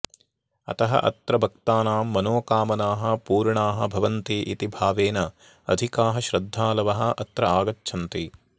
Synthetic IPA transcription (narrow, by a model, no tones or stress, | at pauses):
ɐ̰t̪ɐɦɐ̰ʔɐ̰t̪ɾɐbʱɐk̚t̪aːnaːmːɐnoːkaːmɐnaːɦɐpuːɾɳaːɦɐ̆bʱɐʋɐnt̪iʔit̪ibʱaːʋeːnɐ | ɐ̰d̪ʱikaːɦɐʃɾɐd̪ʱːaːlɐʋɐɦɐ̆ʔɐt̪ɾɐaːɡɐtːʃʰɐnt̪i